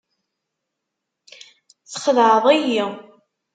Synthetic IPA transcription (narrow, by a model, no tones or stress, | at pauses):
t͡sə̥χəðʕəðˤæji